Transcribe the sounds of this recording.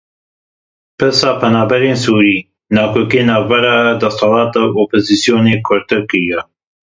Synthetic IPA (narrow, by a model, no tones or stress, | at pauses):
pɨɾsɑːpʰɛnɑːbɛɾeːnsuːɾiː | nɑːkʰoːkieːnɑːvbɛɾɑːd̪ɐsɑlɑːt̪ɑwoːpoziːsijoːneːkʰʊɾt̪ɨɾkɨɾijɛ